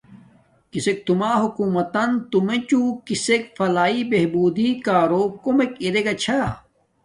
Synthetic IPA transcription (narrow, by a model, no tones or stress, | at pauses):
kisek̚t̪umaːɦukuːmɐt̪ɐnt̪umẽt͡ɕũkisek̚fɐlaːibeɦbuːd̪ikaːɾoːkomekiɾeɡɐt͡ɕʰa